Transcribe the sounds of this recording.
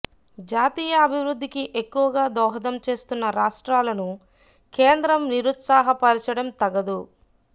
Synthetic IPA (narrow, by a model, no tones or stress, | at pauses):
d͡ʒaːt̪iːjɐɐbʱiʋɾud̪ʱːikiʔe̞kːuʋɐɡaːd̪ɔːɦɐd̪ɐmt͡ʃe̞ːst̪unːɐɾaːʂʈɾaːlɐnu | ke̞ːnd̪ɾɐmniɾut̪saːɦɐpɐɾt͡ʃɐɽɐmt̪ɐɡɐd̪u